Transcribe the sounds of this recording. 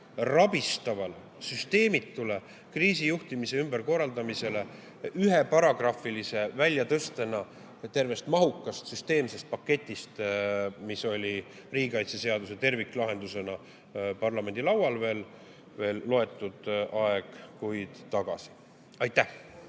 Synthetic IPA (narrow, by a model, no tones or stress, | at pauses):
rɑbist̪ɑvɑl | syst̪e̞ːmit̪ːule | kriːsijuht̪imise̞ymbe̞ɾko̞rːɑld̪ɑmise̞le̞ | yɦe̞pɑɾɑɡ̥rɑfˑilise̞vælʲjɑt̪ɤst̪e̞nɑ | t̪e̞rve̞st̪mɑɦukːˑɑst̪syst̪e̞ːmse̞st̪̚pɑkːe̞t̪ʲːˑist̪miso̞lʲi | riːɡikɑjt̪se̞se̞ɑd̪use̞t̪e̞rvikːˑlɑɦe̞nd̪use̞nɑ | pɑrlɑme̞nd̪̥ilɑwɑlve̞ːl | ve̞ːlːo̞e̞t̪ːˑud̪̥ʔɑeɡ̥kujd̪̥t̪ɑɡ̥ɑsi̥ | ɑjt̪ːˑæh